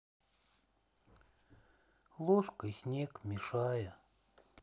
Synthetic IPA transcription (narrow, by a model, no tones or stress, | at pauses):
lˠoʂkəsʲnʲekmʲɪʂajə